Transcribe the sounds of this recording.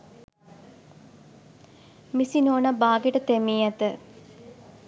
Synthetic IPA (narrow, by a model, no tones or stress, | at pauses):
misinoːnabaːɡeʈət̪emiːæt̪ə